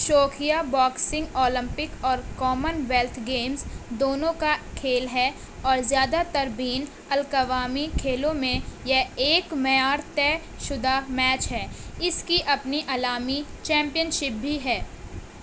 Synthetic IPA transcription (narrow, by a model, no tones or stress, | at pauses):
ʃoːkʰijabɔːksɪ̃ŋɡɔːlɪ̃mpɪkɔːɾkɔːmənʋɛlt̪ʰɡeːmzd̪oːnõkakʰeːlɦɛ | ɔːɾzjaːd̪at̪ɐɾbiːn | ɐlkəʋaːmikʰeːlõmẽjɛeːkmɐjaːɾt̪ɛː | ʃʊd̪amɛːt͡ʃɦɛːɪskiʔɐpniʔaːlaːmit͡ʃɛ̃ːmpijənʃɪp̚bʱiɦɛː